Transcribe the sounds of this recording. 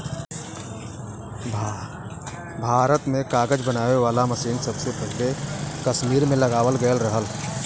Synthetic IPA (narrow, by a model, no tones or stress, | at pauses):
bʱ | bʱaːɾət̪mẽkaːɡəd͡ʒbənaːʋeʋaːlaməsĩːnsəbsepɛɦlekəsmiːɾmẽləɡaːwəlɡəəlɾəɦəl